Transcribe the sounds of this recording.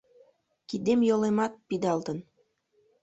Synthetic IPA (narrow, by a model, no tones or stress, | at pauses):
kid̪emjolemɑt̪̚pid̪ɑlˠt̪ə̆n